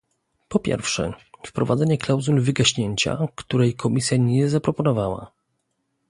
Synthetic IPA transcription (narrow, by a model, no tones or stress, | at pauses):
pɔpʲjɛ̰ɾfʂɛfpɾɔvad̪ɛɲɛklawzulvɘɡaɕɲeɲt͡ɕa̰kt̪uɾɛjkʰɔmʲisʲjaɲɛzapɾɔpɔnɔvawa̰